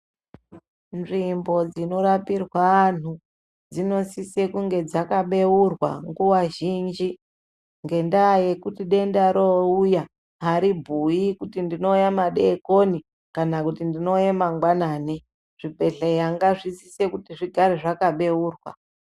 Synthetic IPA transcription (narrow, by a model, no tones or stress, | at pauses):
nʐimbo̞d͡zino̞ɾapirwaːn̤u | d͡zino̞sise̞kuŋɡe̞d͡zakaɓe̞urwa̰ŋɡuwaʒiːnd͡ʒi | ŋɡe̞ndaje̞kutiɗe̞ndaɾouja | ɦaɾibʱujikutindino̞ujamaɗekoni | kanakutindino̞ujamaŋɡwanaːni | ʐ̥ipe̞ɬejaŋɡaʐisise̞kutiʐiɡʱaɾeʐakaɓe̞uːrwa̰